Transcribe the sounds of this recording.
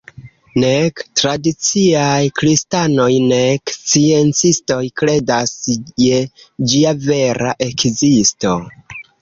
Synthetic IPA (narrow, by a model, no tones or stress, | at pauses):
nektɾadit͡siajkɾistano̞jnekst͡sie̞nt͡sisto̞jkɾe̞dasje̞d͡ʒiave̞ɾa̰ʔe̞kzisto̞